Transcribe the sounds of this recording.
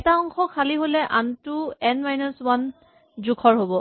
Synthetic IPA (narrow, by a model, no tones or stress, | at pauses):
ɛtaɔŋkɔkʰaliɦolɛʔantʊɛnmajnɔswan | zukʰɔɹɦobɔ